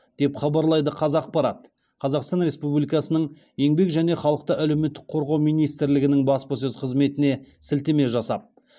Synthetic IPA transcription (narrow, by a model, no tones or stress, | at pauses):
d̪̥e̞pχɑbɑɾlˠɑjd̪əqʰɑzɑq̚pɑɾɑt̪ | qʰɑzɑqst̪ɑnɾe̞spublʲijkɑsənəɴ | je̞ŋbe̞kʒæne̞χɑlˠəq̚t̪əʔælewme̞t̪ːɪk̚qʰo̞ɾʁɑwmijnijst̪ɪɾlɪɡʲɪnɪŋbɑspɑs̬ɵzqʰəzme̞t̪ɪne̞sɪlt̪e̞me̞ʒɑsɑp̚